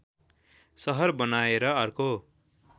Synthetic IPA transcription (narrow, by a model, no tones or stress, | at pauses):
sʌɦʌrbʌnaeɾʌʌrko